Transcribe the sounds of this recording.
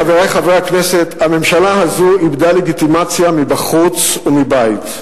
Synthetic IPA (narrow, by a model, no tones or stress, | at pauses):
aveʁejχavʁeakne̞set̪hame̞mʃalaɦazuibdale̞ɡit̪imat͡sjamibaχut͡sumibajit̪